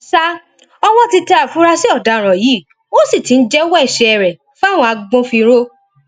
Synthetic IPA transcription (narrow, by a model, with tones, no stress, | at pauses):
sa˦ | ɔ˧w̃ɔ̃˦ti˧ta˧˦a˨fũ˦ɾa˧si˦ɔ˦˨da˨˧˨ɾ̃ɔ̃˨ji˨˦ | wo˦si˦˨ti˨˦n̩˦d͡ʒɛ˦wɔ˦ɛ˦˨ʃɛ˧ɛ˨ɾɛ˨ | fa˦˨w̃ɔ̃˧a˧ɡ͡bõ˦fi˧ɾo˦